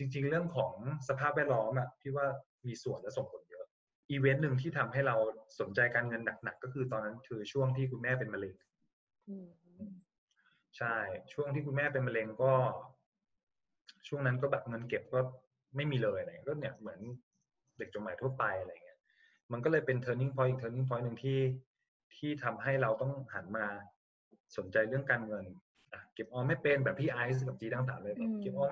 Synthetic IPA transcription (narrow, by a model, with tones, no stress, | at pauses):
t͡ɕi˧ŋt͡ɕi˧ŋɾɯ˥˩əŋkʰɔː˩˦ŋsa˧pʰaː˥˩p̚wɛː˥˩lɔː˦˥mʔa˨˩t̪ʰiː˥˩waː˥˩ | miː˧su˨˩ənlso˨˩ŋpʰo˩˦njɤ˦˥ʔ | ʔiː˧we˦˥nːɯ˨˩ŋt̪ʰiː˥˩t̪ʰa˧mɦa˥˩jɾa˧wso˨˩˦nt͡ɕa˧jkaː˧nŋɤ˧nːa˨˩k̚na˨˩kːɔː˥˩kʰɯː˧t̪ɔː˧nːa˦˥nkʰɯː˧t͡ɕʰu˥˩əŋt̪ʰiː˥˩kʰu˧nmɛː˥˩pe˧nma˧le˧ŋ | t͡ɕʰa˥˩jt͡ɕʰu˥˩əŋt̪ʰiː˥˩ku˧nmɛː˥˩pe˧nma˧le˧ŋkɔː˥˩ | t͡ɕʰu˥˩əŋna˦˥nkɔː˥˩bɛː˨˩p̚ŋɤ˧nke˨˩p̚kɔː˥˩ | ma˥˩jmiː˧lɤː˧jʔa˧˩˨i˦˥kɔː˥˩ni˦˩ɐmɯ˩˦ən | de˨˩k̚t͡ɕo˨˩maː˨˩˦j̪ʰɐpa˧jʔa˧ɾa˧jŋi˦˥ɐ | ma˧nkɔː˥˩lɤː˧jpe˧nt̪ʰɤː˧ni˥˩ŋfʰɔː˦˥jʔi˨˩k̚t̪ʰːni˥˩ŋfʰɔː˦˥jnɯ˨˩ŋt̪ʰiː˥˩ | t̪ʰiː˥˩t̪ʰa˧mɦa˥˩jɾa˧wt̪ɔ˥˩ŋha̰˩˦nmaː˧ | so˩˦nt͡ɕa˧jɾɯ˥˩əŋkaː˧nŋɤ˧n | ʔa˧˩ke˨˩p̚ʔɔː˧ma˥˩jpe˧nbɛː˨˩p̚t̪ʰiː˥˩ʔaː˧js̬ka˨˩t͡ɕiː˧ɾaː˥˩ŋsʰaː˩˦lɤː˧jpɔ˧˩kke˨˩p̚ʔɔː˧